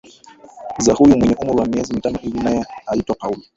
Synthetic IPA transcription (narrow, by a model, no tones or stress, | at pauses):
zahujumwɛɲɛʔumuɾiwamiɛzimitanɔhilinajɛaitwakauli